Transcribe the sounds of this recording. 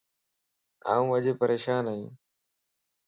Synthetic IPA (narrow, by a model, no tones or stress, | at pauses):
a̰ːũːəʄeːpəɾeːʃaːnaːjiũː